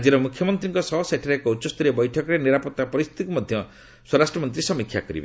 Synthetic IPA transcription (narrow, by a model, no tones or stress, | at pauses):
d͡ʒiɾɔmukʰjɔmɔnt̪ɾiŋkɔsɔɦseʈʰaɾekɔutt͡ʃɔst̪ɔɾebɔjʈʰɔkɔɾeniɾapɔt̪ːapɔɾist̪ʰi̥t̪ikumɔd̪ʱjɔ | swɔɾasʈɾɔmɔnt̪̬ɾisɔmikʰːjakɔɾḭbe